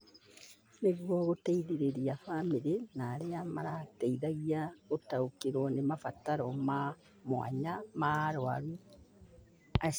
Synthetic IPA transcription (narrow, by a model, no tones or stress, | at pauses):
neɣwɔɣoteiðiɾeɾiafamiɾenaːɾeama̰ɾateiðaɣiaɣotaokeɾwɔnemafataɾɔma | mwa̰ɲamaɾoa̰ɣi | a